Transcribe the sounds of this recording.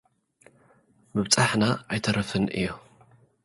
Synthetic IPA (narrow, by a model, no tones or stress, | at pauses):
mɨβt͡sʼaħnaʔajt̪ʰɐɾɐfɨnʔɨ̰jːo